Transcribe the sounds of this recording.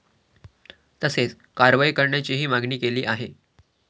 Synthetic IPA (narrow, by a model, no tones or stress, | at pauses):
t̪əset͡s | kaɾʋajkəɾɳjat͡ɕiːɦiːmaɡniːkeliːʔaɦe